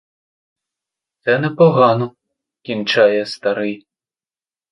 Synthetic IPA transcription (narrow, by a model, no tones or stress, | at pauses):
ɛnɐpɔɣanu | kʲint͡ʃajɛst̪aɾɨj